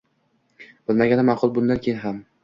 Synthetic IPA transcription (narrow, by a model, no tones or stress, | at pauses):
b̥ɪlmaɡʲanɪmɑqʰʊlˠbʊnd̪ankʲʰejnɦam